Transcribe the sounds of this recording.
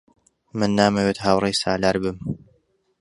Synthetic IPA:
mɨnːaːmɐwet̪haːwrejsa̰ːlaːɾbɨm

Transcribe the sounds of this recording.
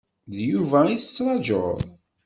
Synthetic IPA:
ðjuvæiθət͡sːɾˤɑd͡ʒo̰ðˤ

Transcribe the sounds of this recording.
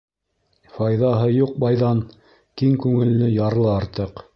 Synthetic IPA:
fɑjðɑɦɤjuq̚bɑjðɑn | kiŋkʉŋɘ̆lːɘjɑɾlˠɤɑɾt̪ɤq

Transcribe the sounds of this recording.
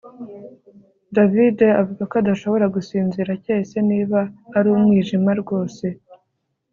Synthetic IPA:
davide̞avuɡakoadaʃo̞βo̞ɾaɡusiːnziɾaceːse̞niːβaːɾuːmŋiːʒimaɾɡo̞ːse̞

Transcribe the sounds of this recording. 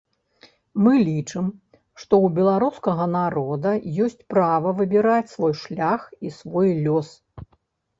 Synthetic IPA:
mɨlʲit͡ʂɨm | ʂt̪ɔwbʲɛlˠaɾuskɐɣɐnaɾɔd̪ɐjɔsʲt͡sʲpɾavɐvɨbʲiɾat͡sʲsvɔjʂlʲaxisvɔjlʲɔs

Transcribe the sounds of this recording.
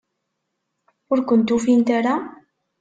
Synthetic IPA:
ʊɾkʊnt̪ufint̪aɾa

